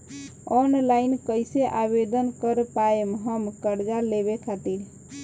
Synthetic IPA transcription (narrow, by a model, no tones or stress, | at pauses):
ɔnlajnkəjseʔabed̪ənkəɾpaemɦəmkəɾd͡ʒaleβekʰat̪iɾ